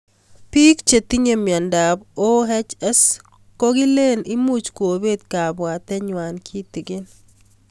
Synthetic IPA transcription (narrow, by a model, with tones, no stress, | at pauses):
pi˦kt͡ʃe˨t̪i˦ɲe˦mja˨nda˨bo˦ɦɛ˦t͡ʃɛ˦s | ko˦ɡɪ˦le˦nɪ˦mu˦t͡ʃkwo˨be˦d̪ka˨ba˨t̪ɛ˦ɲwa˨nkʰi˦t̪ɪ˨ɡɪ˦n